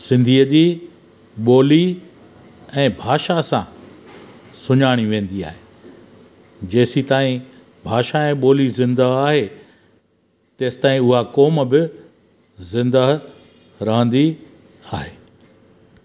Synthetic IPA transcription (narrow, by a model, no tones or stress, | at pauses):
sɪ̃nd̪ʱiːəd͡ʑiː | ɓoːli | ɛ̃ːbʱaːʃasã | sʊɲaːɽ̃iʋẽːn̆d̪ia̰ːɦeː | d͡ʑeːsit̪aːĩ | bʱaːʃaɛ̃ːɓoːlizɪ̃nd̪əaːɦe | t̪eːsɪ̥t̪aːĩʊɦakoːmbɪ | zɪ̃nd̪əɦ | ɾɐɦə̃nd̪i | aːɦeː